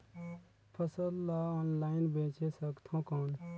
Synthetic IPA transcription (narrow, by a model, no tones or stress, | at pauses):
pʰəsəlːaɔːnlaːɪnbẽːt͡ʃesəkt̪ʰɔ̃ːkɔːn